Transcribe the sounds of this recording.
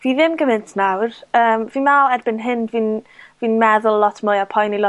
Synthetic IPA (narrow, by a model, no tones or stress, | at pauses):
viːðɪmɡəmɪntʰnawrəːmviːnmɛlˠɛrbɪnɦɪnviːnviːnmɛðʊlˠlˠɔtʰmʊjapʰɔjnilɔ